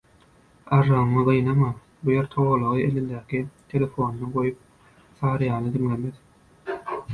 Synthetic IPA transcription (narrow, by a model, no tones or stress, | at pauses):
ɑʒɑɯmɯʁɯjnɑmɑ | bujeɾt̪ʰoʁolˠoʁɯelind̪æːkit̪ʰe̞le̞fo̞ːnnɯɡo̞jup̚ | θɑːɾɯjɑːnɯd̪iŋlemeð